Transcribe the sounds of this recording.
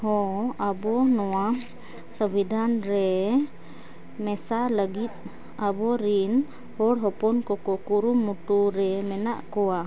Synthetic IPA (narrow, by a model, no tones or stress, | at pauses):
hɔ̃abɔnɔwa | səbid̪ʱanɾɛ | mɛsaləɡit̪̚ | abɔɾin | hɔɽɦɔpɔnkɔkɔkuɾumːuʈuɾɛmɛna̰ʔkɔwa